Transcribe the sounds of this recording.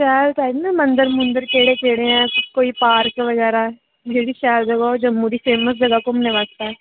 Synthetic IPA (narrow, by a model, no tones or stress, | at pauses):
ʃɛːlt̪aːd̪namə̃nd̪əɾmʊnd̪əɾkeːɽekeːɽẽɛ̃ːkoːipaːɾkʋɐɡɛːɾa | bʱeːɽiʃɛːld͡ʒɐɡaod͡ʒɐmːuɾifeːməs̬d͡ʒɐɡakʊmnẽʋakt̪aɛ